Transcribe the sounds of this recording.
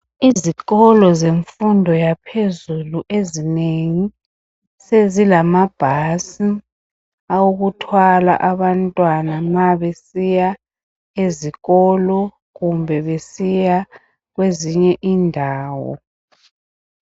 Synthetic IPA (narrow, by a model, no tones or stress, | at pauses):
iziɣɔlɔzeɱfundʱɔjapʰezuluʔezineŋi | sezilamab̥ʱasi | awuɣutʰwala̰ʔaβantʼwanamaβesija | eziɣɔlɔ | ɣumbʱɛβesija | ɣweziɲɛʔiːndʱaːwɔ̰